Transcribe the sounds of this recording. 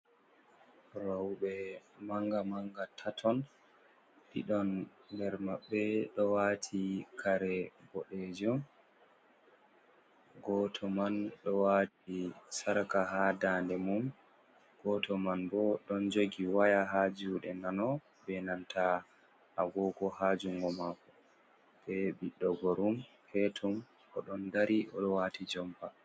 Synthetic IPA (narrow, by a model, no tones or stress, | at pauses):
rawɓɛmaŋɡamaŋɡatʰatʰɔn | ɗḭɗɔnːdɛɾmaɓːɛɗɔwaːtʰikʰaɾɛbɔɗɛd͡ʒɔm | ɡɔtʰɔmanɗɔwatisaɾkahaːdandɛmum | ɡ̥ɔtʰɔmanbɔɗɔnd͡ʒoɡiwajaɦad͡ʒuɗɛnanɔ | bɛnantʰa | ʔaɡɔɡɔhad͡ʒuŋɡɔmakɔ | bɛbiɗːɔɡɔɾum | hɛtʰum | ʔɔɗɔndaɾiʔɔ̰ɗɔwatʰid͡ʒɔmpa